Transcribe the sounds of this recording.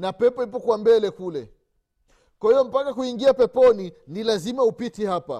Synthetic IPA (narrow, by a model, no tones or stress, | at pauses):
napɛpɔip̬ɔkwambɛlɛkulɛ | kwahijɔm̩pakakuiŋɡiapɛpɔninilazimaupitihapa̰